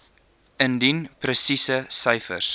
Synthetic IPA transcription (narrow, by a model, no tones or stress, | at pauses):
əndinprəsisəsəjfə̰rs